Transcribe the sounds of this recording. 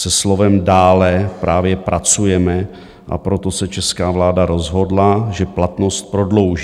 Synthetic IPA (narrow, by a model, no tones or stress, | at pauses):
sɛslo̞vɛmdaːlɛpɾaːvjɛpɾat͡sujɛmɛ | ʔa̰pɾo̞t̪o̞sɛt͡ʃɛskaːvlaːdaɾo̞zɦo̞dlaʒɛplat̪no̞st̪̚pɾodlo̞wʒ